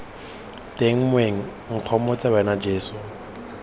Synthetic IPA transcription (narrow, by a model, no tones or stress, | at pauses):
tʼeŋ̩mweŋ̩ | ŋ̩q͡χʰɔmɔt͡sʼabaɛnad͡ʒeːsʊ